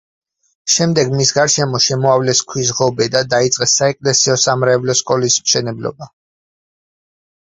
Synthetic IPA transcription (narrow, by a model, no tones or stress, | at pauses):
ʃɛmd̪ɛɡmisɡaɾʃɛmɔʃɛmɔavlɛskʰwisʁɔbɛd̪ad̪ait̪sʼqʼɛsːaɛkʼlɛsiɔsamɾɛvlɔskʼɔlismʃɛnɛblɔ̰ba